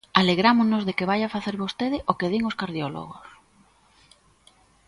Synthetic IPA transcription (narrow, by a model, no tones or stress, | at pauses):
aleɣɾamoznozðekeβajafaθeɾβost̪eðɪʔokeðiŋoskaɾðjolo̰ɣ̞o̰s